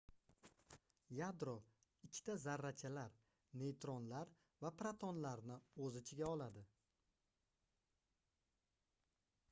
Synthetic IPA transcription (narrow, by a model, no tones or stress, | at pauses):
jad̪ɾo | ɪt͡ʃʲʰːt̪azaɾːat͡ʃʰalaɾ | ne̞jt̪ʰɾɒnlaɾ | vapɾat̪ʰonlaɾnɪozɪt͡ʃʰɪɡʲaɒlˠad̪ɪ